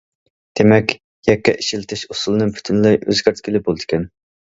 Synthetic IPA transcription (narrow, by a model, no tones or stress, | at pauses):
d̪̥emɛkʲ | jɛkʲːɛʔiʃilɪt̪ʰɪʃusulˠɨnɨŋpʰy̥t̪ʰynlɨʔø̰zkʲæɾt̪ʰkʲilɪbolˠd̪ɨ̥kʲʰɛn